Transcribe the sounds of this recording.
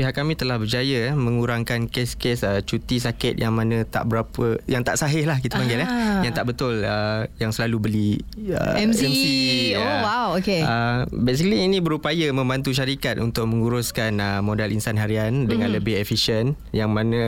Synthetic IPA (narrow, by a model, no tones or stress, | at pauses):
piɦaʔkːamĩt̪əlahbərd͡ʒajamə̃ŋuɾaŋkankɪskesət͡ʃut̪isakɪt̪̚jaŋmanə̃t̪a̰ʔbəɾapəjaŋt̪aʔsaɦɪhlahkit̪apaŋɡɪlajaŋt̪aʔbət̪ʊləjaŋsəlalubəli | ə̰ɛmsɛmsiawawokeəbes̬ikəliːnĩbəɾupajamə̃mbant̪uʃ̬aɾikat̪̚unt̪ʊʔ̚mə̃ŋuɾʊskanəmõdalʔinsanɦaɾiandəŋãnləbɪɦefiʃən | jaŋmãnə̃